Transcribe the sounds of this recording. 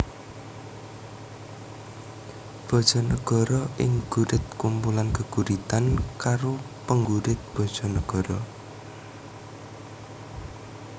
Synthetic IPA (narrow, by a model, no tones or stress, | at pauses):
b̥ɔ̤d̥ʒ̥ɔ̤nəɡ̥ɔ̤ɾɔʔɪŋɡ̥uɾɪt̪̚kumpulankəɡ̥ṳɾit̪ankaɾo | pəŋɡuɾɪt̪̚b̥ɔ̤d̥ʒ̥ɔ̤nəɡ̥ɔɾɔ